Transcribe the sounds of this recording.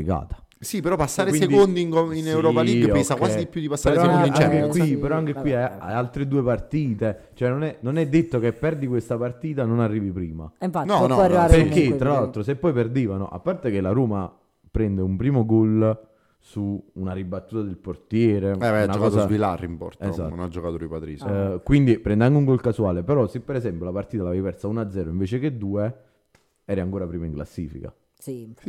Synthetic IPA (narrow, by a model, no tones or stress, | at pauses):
ika̰ːt̪ḁ | sipeɾɔpasːaːɾewinsekond̪iŋkoinewɾɔːpaliɡesakwaid̪ipjud̪ipasːaɾeɾeɔsekad̪int͡ʃɛŋkekwipeɾɔaŋk̟ekːwiaja̰jalt̪ɾed̪uːepart̪iːt̪e | t͡ʃoɛnːonɛnonɛd̪ːet̪ːokepːɛrd̪ikwest̪apart̪iːt̪anonarːiːvipɾiːma̰ɱfanɔnɔarːiaɾpeɾkːet̪ːɾalalt̪ɾosepːɔjperd̪iːvano̰ʔa̰pːart̪ek̟elːaɾuːma | pɾɛnd̪eumpɾiːmoɡol | suːnaɾibat̪ːuːt̪ad̪elport̪jɛːɾeɛvaanakɔːkazvilarːimpɔ̰rt̪ezanad͡ʒːokat̪oɾipat̪ɾiskwind̪ipɾɛnd̪eaŋk̟euŋɡolkasuaːlepeɾɔsepːeɾezɛmpjolapart̪iːt̪alavɛjpɛrsaunad̪zːɛːɾoiɱveːt͡ʃeked̪ːuːe | ɛːɾeaŋkoːɾapɾiːmaiŋkla̰sːḭːfḭka̰ | si